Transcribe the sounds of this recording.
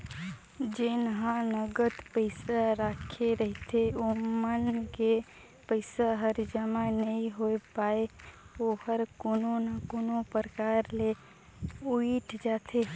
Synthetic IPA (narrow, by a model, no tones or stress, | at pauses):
d͡ʒɪnɦãnəɡət̪pəɪsaɾaːkʰeɾəɦit̪ʰeomənke | pəɪsaɦəɾd͡ʒəmãnəĩɦoepaːeohəɾkonõnakonõpɾəkaːɾle | uiʈd͡ʒaːt̪ʰe